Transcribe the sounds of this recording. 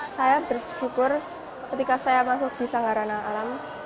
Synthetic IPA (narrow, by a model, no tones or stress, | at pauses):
sajabərsɡ̥ukʊr | kət̪ikasajamas̬ʊk̚b̥i̤saŋaɾanaːlam